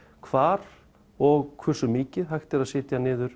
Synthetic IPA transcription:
kʰvaːɾ̥ | ɔɣkʰvɛr̥sʏmiːcɪðɦajxt̪ɪɾaðsɪːt̪janɪːðʏɾ̥

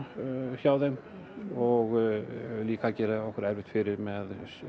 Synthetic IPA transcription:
çaːwðɛm | ɔɣ | liːkacɛːɾaɔhkœɾɛɾvɪht̪fɪɾɪɾmɛð

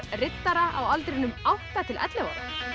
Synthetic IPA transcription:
rɪt̪naɾaawalt̪ɾɪnʏmawht̪at̪ʰɪlʔɛ̰t̪lɛva̰ɾa̰

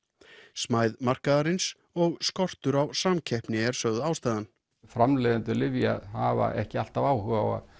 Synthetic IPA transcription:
smaːjðmar̥kaðaɾɪns | ɔɣskɔr̥t̪ʏɾawsamcʰɛhpnɪɛɾ̥sœɣðʏaːwst̪aːðan | fɾamlɛðʏnt̪ʏlɪvjahava̰ʔɛhcɪal̥t̪avaːwhœɣawa̰

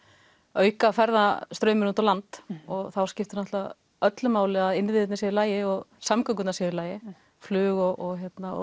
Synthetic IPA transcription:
œːɥkafɛɾðast̪ɾœːɥmɪɾnunt̪awlant̪ɔɣθawscɪft̪ɪnɔht̪a | œt̪lʏmaːwlɪaðɪnvɪðɪt̪nasiðɪlaːjɪɔɣsamkœŋkʏt̪nasɪðɪɾlaːjɪ | flʏːɣɔɣɔɣçjɛt̪naɔ̰

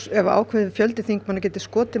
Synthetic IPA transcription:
ɛvaa̰ːwkʰvɛðɪfjœlt̪ɪθiŋk̚manac̬ɛːt̪ɪ̥skɔːt̪ɪ

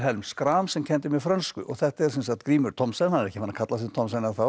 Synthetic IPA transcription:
ɦɛlmskɾaːmsɛmcʰɛnt̪ɪmɛfɾœnskʏɔ̰ɣθɛht̪ɛɾsɛnsḁt̪kɾiːmʏɾt̪ʰɔmsɛnhanɛɾɛhcːɪfanːakʰat̪lasɛt̪ʰɔmsanaθa

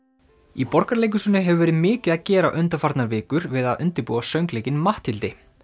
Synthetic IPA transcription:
ipɔr̥kaɾlejk̬ʏsʏːnːɪɦɛvʏvɛːɾɪðmɪːcɪðaðcɛːɾaʔʏnt̪afaɾt̪naɾvɪːkʏɾvɪðaðʏnt̪ɪɾpuːasœɥŋkleːjcɪnmaht̪hɪlt̪ɪ

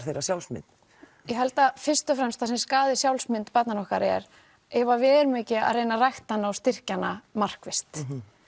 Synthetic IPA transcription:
θejɾasjawlsmɪ̰nt̪ | jɛɦɛlt̪afɪrst̪ʏfɾɛmst̪ʰasɛmskaːðɪsjawlsmɪnt̪pat̪nanɔhkaɾɛɛɾ | ɛvavɛːɾmɪːcɪa̰ðrejnarajxt̪anawst̪ɪr̥canamar̥kvɪst̪

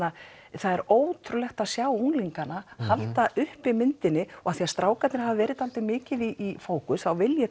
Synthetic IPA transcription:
a | θaðɛɾoːwt̪ʰɾʏlɛxt̪aðsjaːwuŋliŋkanahaltt̪aʔʏhpɪmɪnt̪ɪnɪɔɣaθiast̪ɾaːwkat̪nɪɾɦavvɛːɾɪt̪alt̪ɪmɪːcɪðiʔːfoːwkʏθawvɪljɛ

